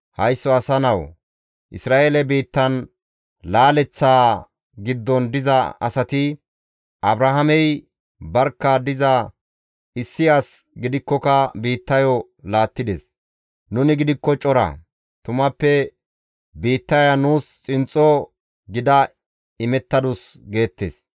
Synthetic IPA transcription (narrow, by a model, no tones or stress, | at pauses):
hɐjsːɔɐsɐnɐw | ʔɪ̰sɾaːʔeːlɛbiːt̪ːɐn | laːlɛt͡sːaː | ɡɪd̪ːɔnd̪ɪzɐɐ̰sɐt̪ɪ | ʔɐbɾɐɦɐmɛj | bɐɾkːɐd̪ɪzɐ | ɪsːɪjaːsɡɪd̪ɪkːɔkɐbiːt̪ːɐjɔ | laːt̪ːɪd̪ɛs | nʊnɪɡɪd̪ɪkːɔt͡ʃʼɔɾɐ̰ | t̪ʊmɐpːɛ | biːt̪ːɐjɐnuːst͡sʼɪnt͡sʼːɔ | ɡɪd̪ɐ | ɪmɛt̪ːɐd̪ʊsɡe̞ːt̪ːḛːs